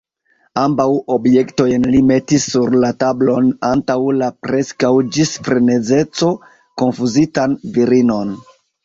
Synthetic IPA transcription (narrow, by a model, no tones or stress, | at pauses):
ambawo̞bje̞kto̞jnlime̞tisːuɾlatablo̞nantawlapɾe̞skawd͡ʒisfɾene̞d͡ze̞t͡so̞ | ko̞nfuzitanviɾino̞n